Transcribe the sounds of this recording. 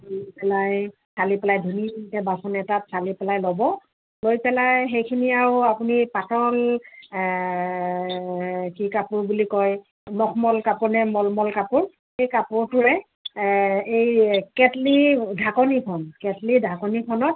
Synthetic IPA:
lopɛlaj | salipɛlajdʱunibintɛbasɔnɛtatsalipɛlajlɔbɔ | lojpɛlajxejkʰiniaɹʊapunipatɔl | kikapʊɹbulikɔj | mɔxʰmɔlkapʊnɛmɔlmɔlkapʊɹ | ejkapʊɹtʊɹɛ | ejkɛtlidʱakɔnipʰɔnkɛtlidʱakɔnipʰɔnɔt̚

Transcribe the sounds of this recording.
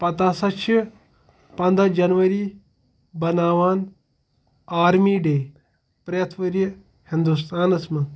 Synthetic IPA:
pɐt̪aːsɐt͡ʃʰi | pɐ̃nd̪ɐd͡ʒɐnʋɐɾiː | bɐnaːʋaːn | aːɾmiːɖeː | pɾɐjɐt̪ʰʋɐɾjɐ | hɪnd̪ust̪ʰaːnɐsmɐ

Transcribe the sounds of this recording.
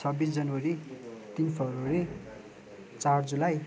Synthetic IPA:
t͡sʰʌbisd͡zʌnwʌɾit̪inpʰʌrwʌɾi | t͡sard͡zulaj

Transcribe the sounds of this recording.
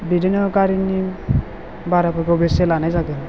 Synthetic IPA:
bidinɔkaɾini | baɾapʰɔkbeselanajzaɡɯn

